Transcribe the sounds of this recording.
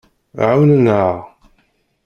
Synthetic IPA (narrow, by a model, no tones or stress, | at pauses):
ʕawnəna